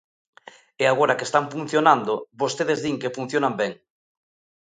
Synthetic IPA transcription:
eaɣ̞oɾakest̪amfun̟θjonand̪obost̪eð̞ezðiŋkefun̟θjonambɛŋ

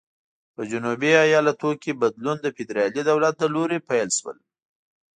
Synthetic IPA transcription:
pəd͡ʒʊnubiɑjɑlat̪okebad̪lund̪əfɪd̪ɾɑlid̪awlat̪̚d̪əloɾepajlʃwə̰l

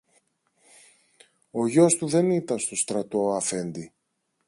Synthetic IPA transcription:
o̞ʝo̞st̪uðe̞nit̪ɐnst̪o̞st̪ɾɐt̪o̞ɐfe̞nd̪i

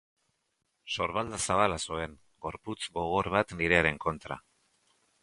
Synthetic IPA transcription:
so̞ɾβald̪asaβalasue̞ŋ | ɡo̞ɾput͡sɡo̞ɣ̞o̞ɾβat̪niɾe̞aɾe̞ŋko̞nt̪ɾa̰

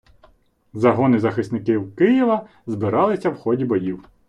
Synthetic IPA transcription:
zɐɦɔnɪzɐxɪst̪nɪkɪwkɪjiʋɐ | zbɪɾɑlˠɪsʲɐwxɔdʲibɔjiw

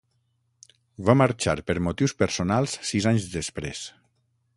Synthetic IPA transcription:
vamaɾt͡ʃa̰ɾpəɾmot̪iwspəɾsonalˠsːizaɲzd̪espɾḛs

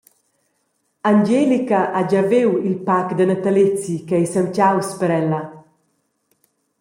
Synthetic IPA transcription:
and͡ʒelikaʔad͡ʒavewilpakd̪ənat̪alet͡sikaɛjsamcawspəɾɛla

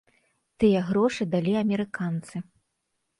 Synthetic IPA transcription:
t̪ɨjɐɣɾɔʂɨd̪alʲiɐmʲɛɾɨkant̪sɨ

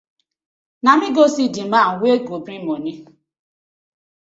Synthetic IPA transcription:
namiɡosidimaŋ̩wʷeɡobɾimoni

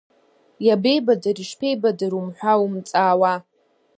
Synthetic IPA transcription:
jabe̞jbadariʂpʰe̞jbadaɾumħʷᶣawumt͡sʼaːwa

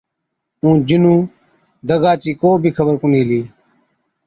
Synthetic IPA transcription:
ũːd͡ʒɪnũː | d̪əɡaːt͡ʃiːkoːbʱiːkʰəbəɾkʊniːliː

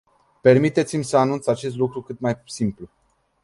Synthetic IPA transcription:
pe̞rmit̪e̞t̪simʲsəanunt̪sat͡ʃe̞st̪lukɾukɨt̪majsimplu

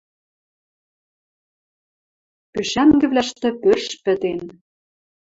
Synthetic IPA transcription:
pyʃæŋɡɘ̆βlʲæʃt̪ɘ̆pørʃpɘ̆t̪en

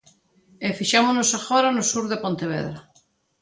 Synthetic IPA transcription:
efiʃamonosaxoɾanosuɾðepont̪eβ̞ḛðɾa

